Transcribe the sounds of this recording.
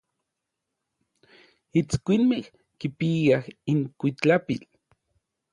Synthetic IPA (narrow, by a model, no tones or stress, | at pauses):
it͡skʷinmeh | kipiahiŋkʷit͡ɬapil